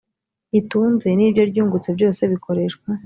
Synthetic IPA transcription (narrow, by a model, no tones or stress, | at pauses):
ituːnze̞niːbɟo̞ɾɟuːŋɡut͡se̞bɟo̞ːse̞βikʰo̞ɾe̞ʃkwa